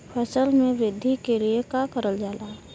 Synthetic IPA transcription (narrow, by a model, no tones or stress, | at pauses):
pʰəsəlmẽʋɪd̪ʱikeliekaːkəɾəld͡ʒaːlaː